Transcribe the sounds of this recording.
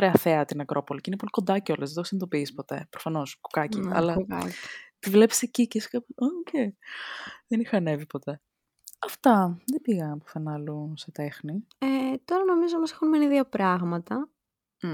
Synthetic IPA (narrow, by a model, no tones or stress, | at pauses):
ɾeɐθeɐt̪inɐkɾʔo̞po̞liceinep̬o̞likond̪ɐceo̞lezðeoxsinet̪o̞piispo̞t̪e̞̰pɾofɐno̞sku̥kɐciɐ̰lɐɐ̥t̪ivle̞pi̥secicesi̥kɐpoce | ðenixɐne̞vipo̞t̪e̞ | ɐft̪ɐðebiɣɐɐpo̥θenɐluset̪e̞xni | et̪o̞ɾɐno̞mizomɐsexunmeniðʝɐpɾɐɣmɐt̪ɐ